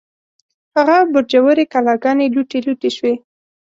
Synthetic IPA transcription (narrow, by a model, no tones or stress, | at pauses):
haɣabʊɾd͡ʒawəɾekalɑɡɑneluʈeluʈeʃwe